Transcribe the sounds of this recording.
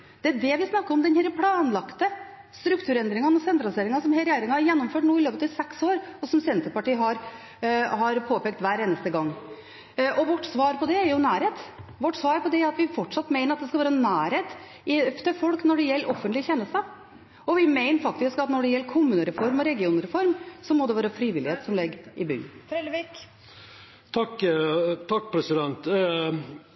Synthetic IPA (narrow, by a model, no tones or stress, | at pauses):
d̪̥ɛæɖɛʋɪsnɑkːəɾɔmd̪ɛnhæːɾəpʰlɑːnlɑkt̪ə | st̪ɾʉkt̪ʰʉːɾɛnd̪ɾɪŋənɔsɛnt̪ɾɑlseːɾɪŋɑsɔmɛɾjeːɾɪŋɑhɑɾjɛnːɔmføːʈnuːɪløːpət̪ɑsɛksoːɾɔsɔmsɛnt̪ɾəpɑʈiːɦɑɾ | hɑɾpʰoːpɛːk̚t̪ʋæːɾeːnəst̪əɡɑŋː | ʔɔʋɔʈːsʋɑːɾpɔd̪ɛːɾjʊnæːɾheːt̪ʋɔʈːsʋɑːɾpɔd̪ɛæɾɑt̪ʋɪfɔʈʂɑt̪ːmeɪnəɾɑt̪d̪ɛskɑʋæːɾənæːɾeːt̪ | ɪft̪ʰəfɔlknɔɖɛjɛlːʔɔfːənt̪lɪçɛnːəst̪ə | ɔʋɪmeɪnəɾfɑk̚t̪ɪskɑt̪nɔɖɛjɛlːəkʰʊmʉːnəɾɛfɔɾmɔɾɛɡɪuːnɾɛfɔɾmsɔmɔd̪ɛʋɑːɾəfɾiːʋɪlɪheːt̪sɔmlɛɡɪbʏ̰nk | t̪ʰɑkːt̪ʰɑkːpʰɾɛsɪd̪ɛnt̪